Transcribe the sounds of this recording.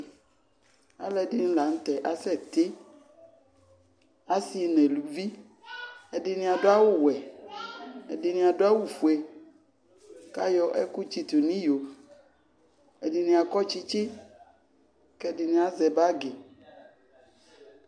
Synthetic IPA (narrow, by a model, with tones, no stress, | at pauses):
a̰˨˦lɛ˨di˦nĩ˦la˨n̩˦t̪ɛ˨ʔa˨sɛ˦t̪e˦ | a˦si˨nɛ˨lu˨vi˦ | e˨di˨nĩ˦a˨do˦a˦wu˦wɛ˨ | ḛ˨di˨nĩ˦a˨do˦a˦wu˨fu˨e˨ | ka˦jɔ˦ʔɛ˦ku˦t͡ʃi˦t̪u˨nĩ˦jo˨ | e˨di˨nĩ˦a˨kɔ˦t͡ʃi˦t͡ʃi˦ | kɛ˦di˨nĩ˦a˨zɛ˨ba˦ɡe˨